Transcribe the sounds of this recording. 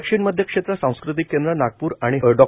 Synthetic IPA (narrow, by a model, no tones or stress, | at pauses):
kʂiːɳməd̪ʱjəkʂet̪ɾəsãw̃skɾut̪̬ikːend̪ɾənaɡ̚puːɾaɽ̃iɖɔ